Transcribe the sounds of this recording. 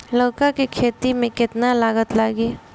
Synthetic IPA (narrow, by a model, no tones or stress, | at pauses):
loːkakikʰeːt̪imẽkɪt̪nalaːɡət̪laːɡiː